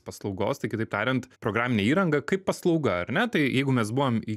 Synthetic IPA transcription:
pɐslˠɒʊɡo̰ːst̪ɐɪkʲɪt̪ɐɪpt̪ɑːɾʲɪnt̪pɾoːɡɾɑːmʲɪnʲɛːiːɾɐŋɡɐkɐɪppːɐslˠɒʊɡɐɐ̰rnʲɛt̪ɐɪjɛɪɡʊmʲɛsbuʋomi

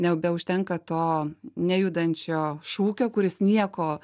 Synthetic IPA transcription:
nʲɛbʲɛʊʃʲt̪ʲɛŋkɐt̪oːnʲæjud̪ɐnʲt͡ʃʲoːʃuːkʲoːkʊɾʲɪsnʲiɛkoː

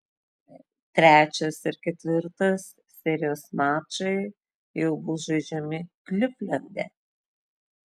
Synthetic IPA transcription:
t̪ʲɾʲæːt͡ʃʲɛsɪɾkʲɛt̪ʲʋʲɪɾt̪ɐs | sʲɛɾʲɪjoːsmɑːt͡ʃɐɪ | jɛʊbʊʒɐɪd͡ʒʲɛmʲɪklʲʊpʲlʲɛnʲd̪ʲɛ̰

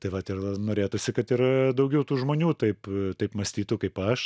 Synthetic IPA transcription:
t̪ɐɪʋɐt̪ʲɪrɐnoːɾʲeːt̪ʊsʲɪkɐt̪ɪɾd̪ɐʊɡʲɛʊt̪uːʒmoːnʲuːt̪ɐɪpt̪ɐɪpmɐsʲt̪ʲiːt̪ʊkɐɪpɐʃ

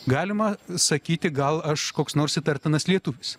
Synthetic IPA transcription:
ɡɑːlʲɪmɐsɐkʲiːt̪ʲɪɡɐlˠɐʃkoːksnoːɾsʲɪt̪ɐɾʲt̪ʲɪnɐslʲiɛt̪uʋʲɪs

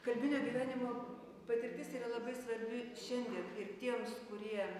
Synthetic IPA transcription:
kɐlʲbʲɪnʲoːɡʲiːʋʲæːnʲɪmoː | pɐt̪ʲɪɾʲt̪ʲɪsiːɾɐlˠɐbɐɪsʋɐɾʲbʲɪʃʲɛnʲd̪ʲiɛnɪrt̪ʲiɛmskʊɾʲiɛ

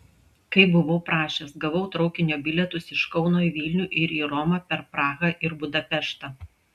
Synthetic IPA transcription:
kɐɪbʊʋoːpɾɑːʃʲɛsɡɐʋɔʊt̪ɾɒʊkʲɪnʲoːbʲɪlʲɛt̪ʊsɪʃkɒʊnoːiʋʲiːlʲnʲuːʔɪɾiːɾɔmɑpʲɛɾpɾɑːɣɐʔɪɾbʊd̪ɐpʲɛʃt̪ɑː

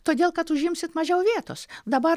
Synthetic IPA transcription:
t̪oːd̪ʲeːlˠkɐt̪ʊʒʲɪmʲsʲɪt̪mɐʒʲɛʊʋʲiɛt̪o̰ːsd̪ɐbɐ

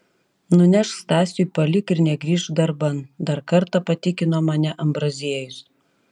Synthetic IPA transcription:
nʊnʲɛʃst̪ɑːsʲuɪpɐlʲɪkɪɾnʲɛɡɾʲiːʃd̪ɐɾbɐnd̪ɐɾkɐɾt̪ɐpɐt̪ʲɪkʲɪnoːmɐnʲɛʔɐmbɾɐzʲiɛjʊs

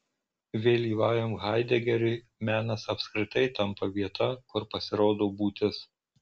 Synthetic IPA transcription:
ʋʲeːlʲiːʋɑːjomɣɑɪd̪ʲɛɡʲɛɾʲʊɪ | mʲæːnɐsɐpʲsʲkɾʲɪt̪ɐɪt̪ɐmpɐʋʲiɛt̪ʰɐkʊɾpɐsʲɪɾoːd̪oːbuːt̪ʲɪs

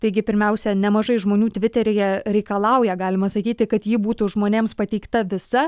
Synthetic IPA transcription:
t̪ɐɪɡʲɪpʲɪɾʲmʲɛʊsʲɛnʲɛmɐʒɐɪʒmoːnʲuːt̪ʲʋʲɪt̪ʲɛɾʲɪjɛɾʲɛɪkɐlˠɐˑʊjɛɡɑːlʲɪmɐsɐkʲiːt̪ʲɪkɐt̪jiːbuːt̪uʒmoːnʲeːmspɐt̪ʲɛɪkt̪ɐʋʲɪsɐ

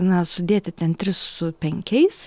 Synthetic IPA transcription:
nɐsʊd̪ʲeːt̪ʲɪt̪ʲɛnt̪ʲɾʲɪssʊpʲɛŋʲkʲɛɪs

